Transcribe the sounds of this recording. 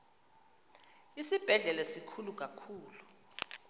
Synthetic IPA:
isib̥ʱɛɮɛlasikʰuluk̬akʰuːlu

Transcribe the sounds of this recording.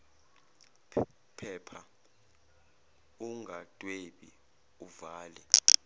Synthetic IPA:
pʰɛːpʰa | uŋɡʱatʼweɓi | uvaːlɛ

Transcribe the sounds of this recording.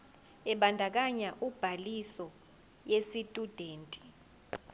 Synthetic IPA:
ɛɓandʱak̬aɲaʔub̥ʱalisɔ | jesitʼud̥ʱeːntʼi̥

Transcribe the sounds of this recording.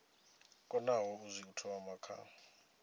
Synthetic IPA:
kʼɔnawɔuzik̬ʼutʰɔwamakʰa̰

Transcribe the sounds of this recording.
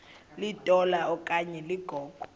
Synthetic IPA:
litʼɔlaɔkʼaɲɛliɡ̥ʱɔːɡ̥ʱɔ̥

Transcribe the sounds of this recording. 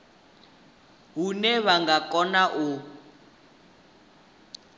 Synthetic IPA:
ɦunɛβaŋɡakʼɔnaʔu

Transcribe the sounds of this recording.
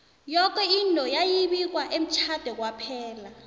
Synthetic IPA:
jɔk̬ɛintʼɔjajiɓik̬waʔem̩t͡ʃʰad̥ʱɛk̬wapʰɛːla

